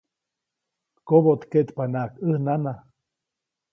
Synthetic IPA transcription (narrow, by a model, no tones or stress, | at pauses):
t̪kobot̪ket̪panaʔkɨhnana